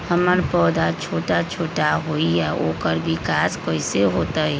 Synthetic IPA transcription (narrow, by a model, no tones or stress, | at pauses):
həməɾpɔːd̪at͡ʃʰoːʈat͡ʃʰoːʈaɦoːiɛːʔoːkəɾbʱikaːskoːiseɦoːt̪aɛː